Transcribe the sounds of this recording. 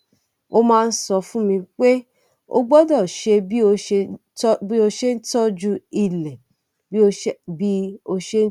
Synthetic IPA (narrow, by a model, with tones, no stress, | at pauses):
o˧mãː˦˧n̩˦sɔ˧fũ˦mĩ˧k͡pe˦ | o̰˦ɡ͡bɔ˦dɔ˦˨ʃe˧bi˦o˧ʃ | bi˦o˧ʃe˦n̩˦tɔ˦d͡ʒu˦i˦˨lɛ˨ | bi˦o˧˦bi˦o˧ʃe˦